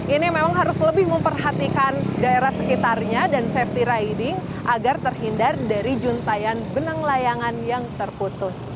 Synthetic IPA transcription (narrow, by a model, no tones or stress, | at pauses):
ʔinimemaŋɦaɾʊsləbɪhməmpərɦat̪ikandaeɾahsəkit̪arɲadansɛft̪iɾajdɪŋ | ʔaɡart̪ərɦindardaɾid͡ʒunt̪ajanbənəŋlajaŋanjaŋt̪ərput̪ʊs